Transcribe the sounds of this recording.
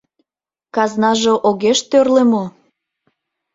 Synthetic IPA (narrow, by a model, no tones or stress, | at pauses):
kɑznɑʒoʔoɣeʃt̪ørlemo